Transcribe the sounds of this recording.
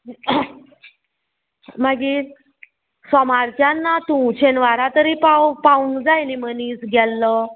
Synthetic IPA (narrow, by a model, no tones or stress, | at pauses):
maɡiɾ | sɔmaɾt͡ɕjanːat̪ũt͡ɕʰenʋaɾat̪əɾipapaũŋɡd͡zajniməniːsɡʱɛlːə